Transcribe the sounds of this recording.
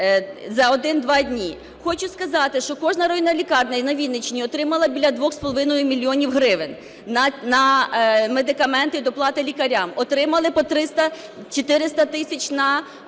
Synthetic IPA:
zɐɔd̪ɪnd̪ʋɑdʲnʲi | xɔt͡ʃʊskɐzɑt̪ɪʃt͡ʃɔkɔʒnɐɾɔinɐlʲikɑrnɐnɐʋʲid̪nɪt͡ʃnʲiɔt̪ɾɪmɐlˠɐbʲilʲɐd̪ʋɔxspɔlˠɔʋɪnɔjʊmʲilʲːiɔnʲiwɦɾɪʋɪn | ɐnɐmed̪ɪkɐmɛnt̪ɪd̪ɔplˠɑt̪ɪlʲikɐɾʲamɔt̪ɾɪmɐlˠɪpɔt̪ɾɪst̪ɐ | t͡ʃɔt̪ɪɾɪst̪ɐt̪ɪsʲɐt͡ʃʲnɐ

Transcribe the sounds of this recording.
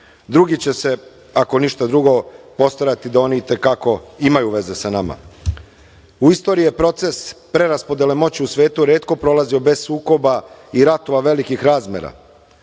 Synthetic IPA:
d̪ɾuɡit͡ɕe̞se̞ | ako̞niʃt̪ad̪ɾuɡo̞po̞st̪oɾat̪id̪ao̞niːt̪e̞kako̞imajuʋe̞ze̞sanama̰ | uist̪o̞ɾiepɾo̞t̪se̞spɾe̞ɾaspo̞d̪elemo̞t͡ɕiusʋʲe̞ːt̪uɾe̞ːt̪ko̞pɾo̞lazio̞be̞zsuːko̞baiɾat̪oʋaʋe̞likixɾaːzmʲjḛɾa̰

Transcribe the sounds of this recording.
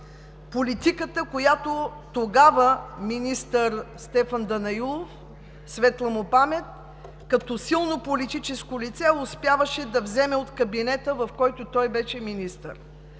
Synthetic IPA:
polit̪ikət̪əkojat̪ot̪oɡavəminist̪əɾst̪ɛfɐnd̪ɐnɐilˠof | svɛt̪lˠɐmʊpamɛt̪̚ | kɐt̪ɔsilˠnopolit̪it͡ʃɛskolit̪sɛʊspʲjavəʃɛd̪ɐvzɛmɛot̪kɐbinɛt̪əvɐfkɔjt̪ʊt̪ɔjbɛʃɛminist̪ə̰ɾ

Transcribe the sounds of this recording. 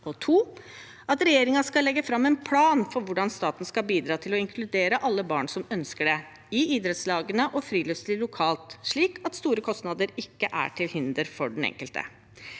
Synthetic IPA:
ɔt̪ʰuː | ɑt̪ɾɛjeːɾɪŋɑskɑlɛɡːəfɾɑmːɛnpʰlɑːnfɔɾʋʊɖɑnst̪ɑːt̪n̩skɑlbiːd̪ɾɑːt̪ʰɪlɔɪŋkʰlʉd̪eːɾəʔɑlːəbɑːɳsɔmœnskəɖɛ | ɪiːd̪ɾɛt̪slɑːɡənəʔɔfɾiːlœslɪlʊkʰɑːlt̪ʂɭiːkʰɑt̪st̪uːɾəkʰɔst̪nɑd̪əɾɪkːəʔæ̰ʈʰɪlhɪnd̪əɾfɔɖɛnɛ̰ŋkəlt̪ə̰

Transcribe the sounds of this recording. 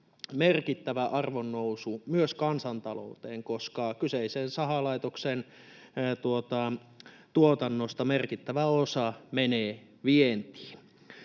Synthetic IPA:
merkit̪ːæʋæʔɑrʋonːousumyøskɑnsɑnt̪ɑlo̰ut̪eːŋkoskɑkyseisensɑɦɑlɑit̪oksen | t̪uot̪ɑ | t̪uot̪ɑnːost̪ɑmerkit̪ːæʋæosɑmeneː | ʋient̪i̥ːn

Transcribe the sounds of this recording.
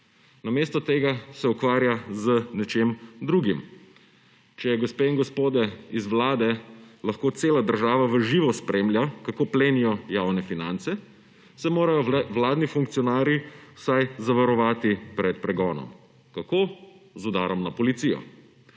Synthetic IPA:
nameːst̪ɔt̪eːɡasɛukʋaːɾjazənɛt͡ʃemd̪ɾuɡim | t͡ʃɛjɛɡɔspeiŋɡɔspoːd̪ɛizʋlaːd̪ɛlaxkoːt̪seːlad̪əɾʒaːʋaʋəʒiːʋɔspɾʔemljakakoːpleːnijɔjawnɛfinant̪sɛ | sɛmoːɾajɔʋlaːd̪nifuŋkt̪sijɔnaːɾiwsajzaʋaɾɔʋaːt̪ipɾɛt̪̚pɾɛɡɔːnɔ̰m | kakoːzud̪aːɾɔmnapɔlit̪sijɔ̰

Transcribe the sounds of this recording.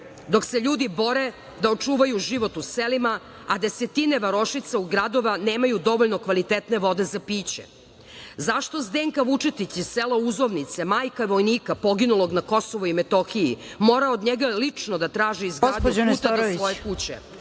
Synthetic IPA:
d̪o̞kseʎuːd̪ibo̞ɾe | d̪aot͡ʂuːʋajuʒiʋo̞t̪uselima | ad̪e̞se̞t̪ineʋaɾo̞ʃit̪sauɡɾad̪o̞ʋaneːmajud̪o̞ʋoʎno̞kʋalit̪et̪ne̞ʋo̞d̪e̞zapiːt͡ɕḛ | zaʃt̪o̞zd̪eːŋkaʋut͡ʂet̪it͡ɕiselauzoʋnit̪semaːjkaiʋojniːkapo̞ɡinulo̞ɡnako̞soʋoimet̪o̞xijḭ | mo̞ːɾaod̪ɲeɡalit͡ʂnod̪at̪ɾaːʒiizɡad̪poout̪aesiʋojekut͡ɕḛ

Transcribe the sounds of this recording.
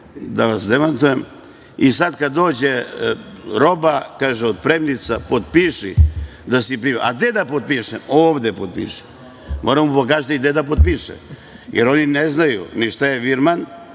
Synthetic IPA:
d̪aʋasd̪emant̪ujem | isad̪kad̪ːo̞ːd͡ʑe | ɾo̞bakaːʒeod̪̚pɾemnit̪sapot̪̚piʃḭ | d̪asipɾiːmʔa̰d̪ed̪apot̪̚piʃemoːʋd̪epot̪pḭːʃi̥ | moːɾamopok̬aːʒat̪id̪ed̪apod̪̚piʃḛm | jeɾo̞nineznajṵniʃt̪ajeʋiɾman

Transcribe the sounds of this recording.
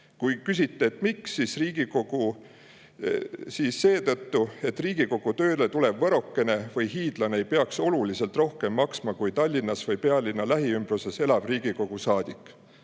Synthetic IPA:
kujkys̬ʲit̪ˑːeːt̪ˑmiksːisriːɡ̥iko̞ɡ̥u | siːsːe̞ːt̪ɤt̪ːue̞t̪ːriːɡ̥iko̞ɡ̥ut̪ø̞ːle̞t̪ule̞bvɤɾo̞kːe̞ne̞vɤjɦiːd̪̥lɑneejpeɑkso̞luliselt̪ro̞hke̞mːɑksmɑkujt̪ɑlʲːinːɑsvɤjpe̞ɑlʲinːɑlæɦiymb̥ruse̞se̞lɑb̥riːɡ̥iko̞ɡ̥usɑːd̪̥ikːˑ

